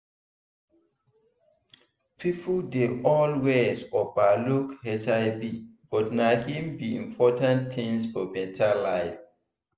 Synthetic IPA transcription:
pʰipʰudeʔɔlwezɔbalukhɛtaɪbib̥ɔtnakĩmbiḭ̃mpʰɔtãnt̪ʰĩŋsfɔbɛ̃ntʰalaɪf

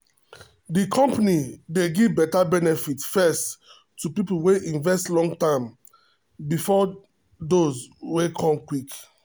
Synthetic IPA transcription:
dikʰɔ̃mpanideɡivbɛtabɛnɛfitfɛst | tːupiplweʔĩnvɛstlɔ̃ŋɡtãɪ̃m | bifɔ | dozwekʰɔ̃mkwik

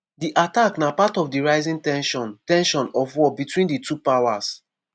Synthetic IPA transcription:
diʔataknapatɔvdiɹaɪzĩŋtɛ̃nʃɔ̃ntɛ̃nʃɔ̃nɔfwɔbitwĩnditupawas

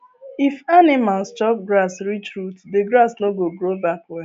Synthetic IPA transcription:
ifanɪmalst͡ʃɔp̚ɡɾasɾit͡ʃɾutdeɡɾasnoɡoɡɾobakwe

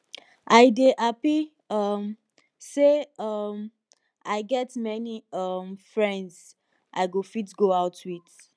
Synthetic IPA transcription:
ʔaɪdeʔapi | ʌm | seʌm | ʔaɪɡɛtmɛniʌmfɹɛ̃ndz̥ | ʔa̰ɪɡofitɡoaʊtʰwid

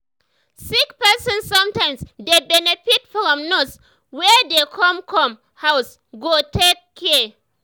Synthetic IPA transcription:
sɪkpɛsɔnsɔmtaɪmsdebɛnɛɸɪt̚fɾɔmnɔs | wɛdekʰɔmkɾɔm | haws | ɡotekːɛ

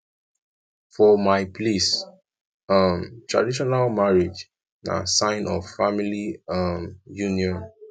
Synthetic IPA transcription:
fɔmaɪplis | ʌmtɹa̰diʃ̬ɔnalmaɹid͡ʒ | na̰sãɪ̃nɔvfamiliʌmjuniɔ̃n

